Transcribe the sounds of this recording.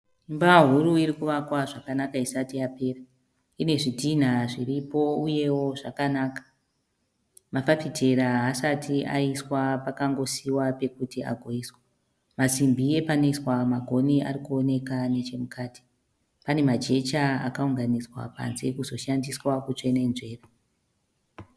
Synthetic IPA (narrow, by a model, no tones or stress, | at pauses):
imbaɦuɾuiɾikuʋakwaʐakanakaisatiape̞ra | ine̞ʐidʱin̤aʐiripo̞uje̞wo̞ʐakanaːkḁ | mafafite̞ɾaɦasatʰiaiswapakaŋɡo̞siwape̞kutia̰ɡʱoiswe | masimbie̞panoiswamaɡʱo̞niʔa̰ɾikuone̞kanet͡ʃe̞mukaːti̥ | pane̞mad͡ʒe̞t͡ʃaa̰kauŋɡaniswa̰pa̰nzekuzo̞ʃandiswakut͡ʂenenʐe̞ːra